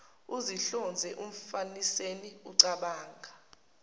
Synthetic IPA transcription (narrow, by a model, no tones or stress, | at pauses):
uziɬɔnd͡zʱɛʔum̩faniseniuǀaɓaːŋɡʱa